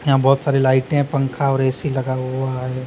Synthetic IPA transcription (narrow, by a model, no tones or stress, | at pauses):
jɐɦãbɔːt̪saːɾelaːɪʈẽɦɛ̃pɐ̃ŋkʰaɔːɾɛːsilɐɡaɦuaɦɛː